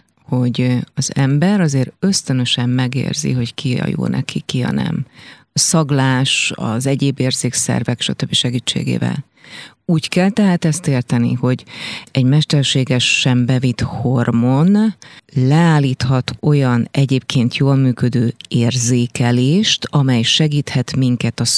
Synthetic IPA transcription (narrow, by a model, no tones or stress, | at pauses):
ho̞ɟɒzɛmbɛɾɒzeːɾø̞st̪ønø̞ʃɛmːɛɡḛːrzḭɦo̞ckiɒ̰jo̰ːnɛ̰kʰikiɒ̰nɛ̰m | sɒɡlaːʃɒ̰zɛɟeːbeːrzeːksɛ̰rvɛkʃɒt̪øbːiʃɛɡiːt͡ʃːḛːɡḛːvɛ̰l | uːckɛlt̪ɛɦaːt̪ɛst̪eːrt̪ɛnḭho̞ɟɛɟmɛʃt̪ɛrʃeːɡɛʃːɛmbɛvit̪ho̞rmo̞nlɛaːliːt̪hɒt̪ʰo̞jɒnɛɟeːp̚kʰeːnt̪joːlmyːkø̞d̪øːeːrzeːkɛleːʃt̪ɒmɛjʃɛɡiːt̪hɛt̪miŋkɛt̪ɒ